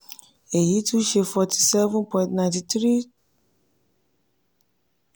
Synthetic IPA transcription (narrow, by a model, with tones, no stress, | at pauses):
e˨ji˨˦tũ˦ʃe˧fɔ˧tʰi̥˨sɛ˦vũ˦npɔ̃˨ĩntnã˨nti˧tɾi˦